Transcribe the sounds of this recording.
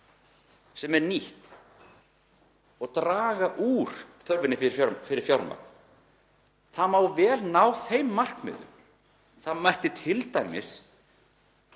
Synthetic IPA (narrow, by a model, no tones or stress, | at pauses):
sɛmɛɾniht̪ | ɔɣt̪ɾaːɣaʔuːɾ̥θœɾvɪnɪfɪɾɪɾjɔɾfɪɾɪɾ̥fjɔɾma̰ | θamaːwvɛːlnaːwθejmːar̥kmɪ̰ðʏ̰m | θamajht̪ɪt̪ʰɪlt̪ajmɪ̰s